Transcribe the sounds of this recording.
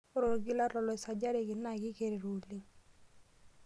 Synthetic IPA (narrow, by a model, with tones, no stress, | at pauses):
o˦ɾo˨ɾɡɪ˦la˦lɔ˨lɔ˨ɪ˨sa˨d͡ʒa˦ɾe˨kɪ˨na˦˨kɪ˦ke˦ɾe˨ɾo˨li˦